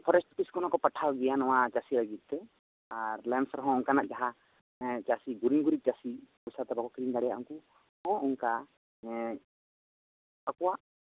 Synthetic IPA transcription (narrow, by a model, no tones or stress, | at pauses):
pʰɔɾɛsʈpiskɔnakɔpaʈʰawɡɛjanɔwad͡ʒasilaɡit̪̚ˀt̪ɛ | aɾlɛnsɾɔɦɔ̃ɔŋkanaʔ̚d͡ʒaɦã | d͡ʒasiɡuɾiŋɡuɾik̚d͡ʒasikɔjsat̪abakɔkɾind͡ʒaɽɛja̰ʔṵŋku | hɔ̃ɔŋka | ɛ | əkɔwaʔ